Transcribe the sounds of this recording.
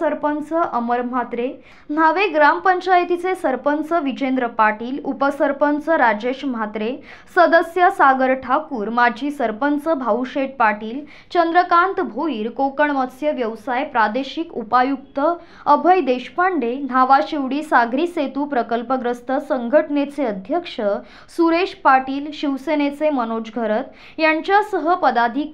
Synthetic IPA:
əɾpənt͡səʔəməɾm̤at̪ɾe | n̤aʋeɡɾampəɲt͡ɕajt̪it͡sesəɾpənt͡səʋit͡ɕend̪ɾəpaʈiːlupəsəɾpənt͡səɾad͡ʑeɕm̤at̪ɾe | səd̪əsjəsaɡəɾʈʰakuːɾmad͡ʑʱiːsəɾpənt͡səbʱauɕeʈ̚paʈiːl | t͡ɕənd̪ɾəkãnt̪bʱoiːɾkokəɳʋəsjəʋjəʋsajpɾad̪eɕikupajukt̪ə | əbʱəjd̪eɕpaɳɖen̤aʋaɕiʋɽiːsaɡʱɾiːset̪uːpɾəkəlpəɡɾəst̪əsə̃ŋɡʱəʈnet͡seəd̪ʱjəkʂə | suɾeʂpaʈiːlɕiʋsenet͡semənod͡ʑɡʱəɾət̪ | jaɲt͡ɕjasəɦəpəd̪ad̪ʱiːk

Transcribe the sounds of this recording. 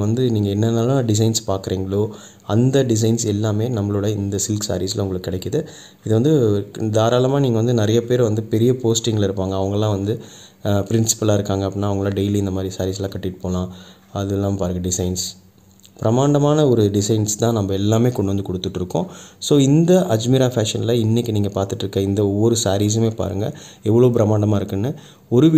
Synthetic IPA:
ʋɐnd̪ɯniːŋɡɐɛnːɐnaːlɐ̃ɖɪs̬ɐɪnspaːɾkɯɾeːŋɡɐɭoː | ɐnd̪ɐɖɪs̬ɐɪnsɛlːaːmeːnɐmːɐɭoɽɐɪnd̪ɐsɪlksa̰ːɾislɐʊŋɡɐɭɯkːɯːɪɽɐɪkːɐðɯ | ɪðɯʋɐnd̪ɯd̪aːɾaːlɐmãːniːŋɡɐʋɐnd̪ɯnɪɾɐjɐpeːɾʋɐnd̪ɯpɛɾɪjɐpoːsʈɪŋɡɐɭɪɾɯpːaːŋɡɐːɐʋɐŋɡɐlãːʋɐnd̪ɯ | pɪɾɪnsɪ̥pɐlaːɪɾɯkːaːŋɡɐpːɪnːaːɐʋɐŋɡɐɭlãːɖeɪliɪnd̪ɐmaːd̪ɾisaːɾiːs̬lãːkɐʈːɪʈːɯ̥poːlãː | ɐðɯɛlːaːmepaːɾɯŋɡɐɖɪsɐɪns | pɪɾɐmaːɳɖɐmaːnɐɔɾɯɖɪsɐɪnst̪ãːnɐmbɐɛlːaːmeːkɔɳɖɯʋɐnd̪ɯkɔɽɯt̪ːɯʈːɪɾɯkːõːsoːɪnd̪ɐʔɐd͡ʒmɪɾaːfaːʂɐnɪlɐɪnːɪkʲːniːŋɡɐpaːɾt̪ɯʈːɪɾɯkːɐɪnd̪ɐɔʋːɔɾɯsaːɾiːs̬ɐmeːpa̰ːɾɯ̰ŋɡɐɛʋːɐɭoːp̬ɪɾɐmaːɳɖɐmaːɪɾɯkːɯnːɯ | ɔɾɯʋ

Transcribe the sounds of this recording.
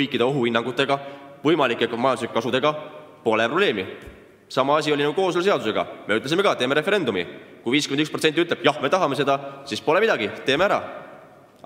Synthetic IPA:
ɤjkːˑid̪̥eo̞ɦuinːɑŋɡ̥ut̪ːˑe̞ɡ̥ɑvɤjmɑlikːˑekɑmɑjɑnd̪uslikːkɑsud̪e̞ɡ̥ɑ | po̞lepro̞ble̞ːmi | sɑmɑɑs̬ʲio̞linɑkɡuko̞ːsolse̞ɑd̪use̞ɡ̥ɑ̰me̞yt̪lesime̞ɡɑt̪eːmeɾe̞fe̞ɾe̞nd̪umḭkujviːskymenyksprose̞nt̪iyt̪leb̥jɑhme̞t̪ɑɦɑme̞se̞d̪ɑsispo̞le̞mid̪̥ɑɡit̪eːmeæɾɑ̰

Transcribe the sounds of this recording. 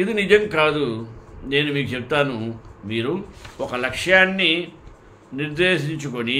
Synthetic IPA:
id̪inid͡ʒɐmkaːd̪une̞ːnumiːk̬ut͡ʃep̚t̪aːnumiːɾuɔkɐlɐkʂjaːnːi | niɾd̪eːʃiɲt͡ʃuko̞ni

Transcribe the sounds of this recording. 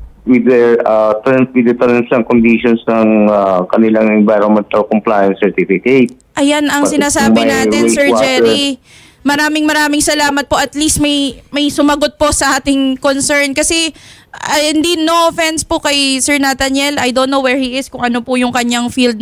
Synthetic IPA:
wɪd̪ɛat̪ɾɐnswɪd̪ɛt̪ɾɐnsɐŋkond̪iʃonsnɐŋakɐnɪlaŋɛnvajɾɔnmɛnt̪ɐlkomplaːjɐnsɛɹt̪ifɪket̪̚ʔɐjanʔɐŋsɪnaːsaːbɪnaːɪnsɛɹd͡ʒɛɾi | mɐɾaːmɪŋmɐɾaːmɪŋsɐlaːmɐt̪̚po̞ʔɐt̪list̪̚mɐjmɐjsʊmɐɡot̪̚po̞sɐʔaːt̪ɪŋkonsɛɹnkɐsɛ | ɐɪnd̪inofɛnspʊkɐjsɛɹnɐt̪ɐnjɛlʔɐjd̪onːowɛɹhiʔɪskʊŋɐno̞pʊjʊŋkɐɲaŋfild̪̚

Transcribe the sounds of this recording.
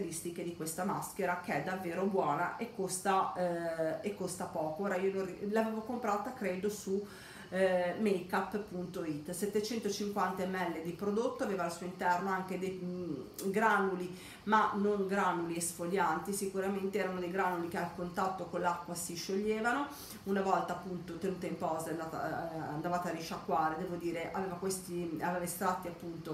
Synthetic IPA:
ɾist̪iked̪ikwest̪amaskeɾakeɛd̪ːavːeːɾobwɔːnaʔekːost̪a | ekːost̪apɔːkooːɾaiːonorilaveːvokompɾaːt̪akɾed̪osu | mejkapːpːunt̪oit̪ːsɛt̪ːet͡ʃɛnt̪ot͡ʃiŋkwant̪aɛmɛlːed̪ipɾod̪ot̪ːoaveːvaːlsuːoint̪ɛrnoaŋk̟ed̪ej | ɡɾanːuli | manoŋɡɾanːuliesfoʎːant̪isikuɾament̪eɛːɾaunod̪ejɡɾanulikealkont̪at̪ːokonlːakːwasiʃːoʎːeːvano | unavɔlt̪aːpːunt̪ot̪enuːt̪aimpɔːzaeand̪aːt̪a̰and̪avaːt̪ariʃakːwaːɾed̪ɛːvod̪iːɾeʔa̰veːvakwest̪iaveːvaist̪ɾat̪ːiapːunt̪o

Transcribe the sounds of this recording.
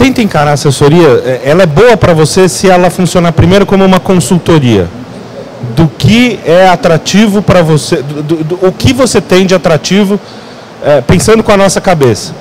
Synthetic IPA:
t̪ẽt̪ẽkaɾaasesoɾiɐɛɛlɐɛboɐpɾɐvosesɪɛlɐfũsiõnapɾimejɾʊkõmʊũmɐkõsuwt̪oɾiɐ̰ | d̪ʊkɪɛat̪ɾat͡ʃivʊpɾɐvosed̪ʊd̪ʊʊːkɪvoset̪ẽj̃d͡ʒɪat̪ɾat͡ʃivʊ | ɛpẽsɐ̃nd̪ʊkõɐnɔsɐkabesɐ̥

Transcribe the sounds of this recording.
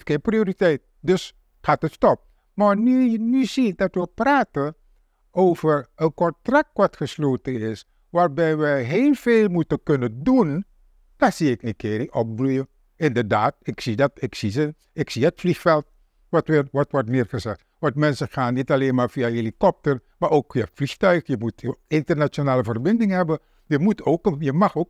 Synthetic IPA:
tkenprioːɾitɛjt̚ | dɵs | χaːtətstɔp̚ | maːɹnyənyzidɑtʋəpraːtən | ʔowvəɹənkɔntrak̚tʋɑtχəsloːtənɪs | ʋaːɹbɛjʋəɦeːlˠveːlˠmutənkɵnəndun | d̥asiɪkənkɪːriʔɔp̚brujə | ɪndəɹdaːtɪksidɑtɪksizə | ɪksiətflixfɛlˠt̚ | ʋɔtʋɪːrʋɔtʋɔɹtmɪːrχəzɛxtʋɑntmɛnsəχaːnːitɑleːnmaːɹvijaɦelikɔp̚təɹ | maːʔoːkfiafliχtœɥxjəmutɪntərnat͡ʃonaːləvərbɪndɪŋɦɛbən | jəmutʰoːkəjəmɑχoːk

